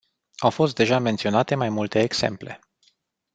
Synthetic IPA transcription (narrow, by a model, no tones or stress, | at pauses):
awfo̞s̬t̪̚d̪e̞ʒame̞nt̪sio̞nat̪e̞majmult̪e̞ːɡse̞̰mple̞̰